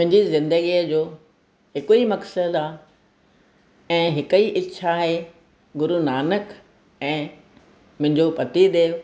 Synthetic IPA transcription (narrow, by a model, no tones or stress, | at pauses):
mʊ̃ɦɪ̃ɲd͡ʑizɪ̃nd̪əɡijəd͡ʑoː | hɪkuimɐksəd̪aː | ɛ̃ːɦɪkəiʔɪtːɕʰaɦe | ɡʊɾunaːnək | ɛ̃ː | mʊ̃ɦɪ̃ɲd͡ʑopɐt̪id̪eːo